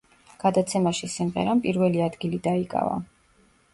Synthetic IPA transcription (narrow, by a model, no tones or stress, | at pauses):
ɡ̥ad̪at̪sʰɛmaʃisimʁɛ̰ɾampʼiɾvɛliad̪ɡilid̪aikʼa̰va̰